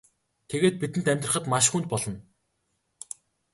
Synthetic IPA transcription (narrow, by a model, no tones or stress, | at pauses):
t̪ʰeɣeːt̪̚pit̪ɘ̆nt̪æmʲt̪rə̆χə̆t̪maʃxunt̪̚pɔɮɞ̆n